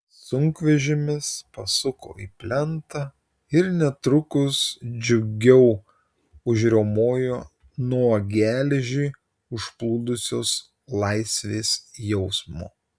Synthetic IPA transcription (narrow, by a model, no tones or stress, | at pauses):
sʊŋkʋʲɛʒʲɪmʲɪspɐsʊko̰ːḭːpʲlʲɛnt̪ɐ | ɪɾnʲɛt̪ɾʊkʊsd͡ʒʲʊɡʲɛʊ | ʊʒʲɾʲoːmoːjoː | nuɔɡʲæːlʲɛʒʲɛɪ | ʊʃplˠuːd̪ʊsʲoːs | lˠɑɪsʲʋʲeːsjɛʊsmo̰ː